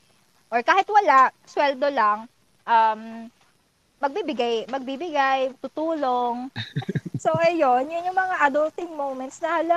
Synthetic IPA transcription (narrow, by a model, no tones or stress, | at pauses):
ʔoɹkaːhɪt̪wɐlaʔ | swɛld̪olaŋ | ʔɐm | ɐɡ̚bibɪɡajmɐɡ̚biːbɪɡajt̪ut̪uːloŋ | soʔɐjonjʊnjʊŋmɐŋaʔɐd̪olt̪ɪŋmowmɛnt̪snɐhɐlo